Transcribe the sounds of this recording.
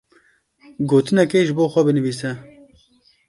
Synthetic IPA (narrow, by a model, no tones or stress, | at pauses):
ɡoːt̪ɨnɛkeːʒɨboːxʷɛbɨnɨviːs̬ɛ